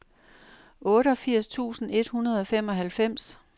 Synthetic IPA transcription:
ɔ̽ːɾəɒ̽fiɐ̰st͡sʰṵːsn̩e̝d̥hunɐð̞ˠɒ̽fem̰ɒ̽ɦælfem̰s

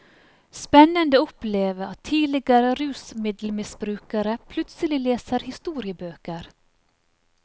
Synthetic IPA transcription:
spɛnːənd̪əʊpleːʋəɾɑt̪ʰːiːlɪɡaɾəɾʉːsmɪd̪l̩mɪsbɾʉːkaɾəpʰlʉt̪səlɪleːsəɾhɪst̪uːɾɪəbøːkəɾ

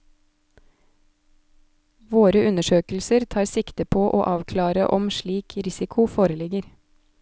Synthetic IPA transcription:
ʋoːɾəʉnəʃøːkl̩səɾt̪ʰɑːɾsɪkt̪əpʰoːʔo̰ːʔɑːʋkʰlɑːɾəʔɔmʃliːkʰɾɪsɪkʰʊfoːɾəlɪɡəɾ

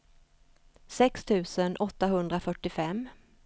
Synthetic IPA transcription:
sɛkst̪ʰʉ̟ːsənʔɔt̪ːaɦɵnd̪ɾafœʈːɪfɛmː

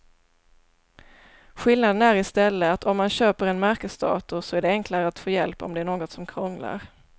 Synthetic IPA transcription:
ɧɪlnad̪ənæɾɪst̪ɛlːəat̪ʰɔmːanɕøːpəɾɛnmæɾkəsd̪ɑ̰ːt̪ʊʂɔæɖɛɛŋkʰlaɾəat̪foːjɛlpɔ̰md̪ɛæɳoːɡɔt̪sɔmkʰɾɔŋla̰ɾ

